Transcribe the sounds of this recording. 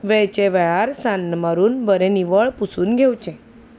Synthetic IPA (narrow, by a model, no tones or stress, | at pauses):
ʋɛɭt͡ɕeʋɛɭaɾsanːmaɾuːnbəɾẽniʋəɭpusuːnɡʱewt͡ɕɛ̃